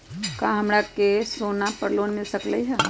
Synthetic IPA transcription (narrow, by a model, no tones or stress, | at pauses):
kãɦəmɾakesonapəɾloːnmɪlsəkləiɦɛ